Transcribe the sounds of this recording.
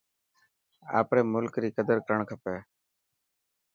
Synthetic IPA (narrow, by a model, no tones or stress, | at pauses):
a̰ːpɾeːmʊlkɾiːkəd̪əɾkəɾəɳkʰəpeː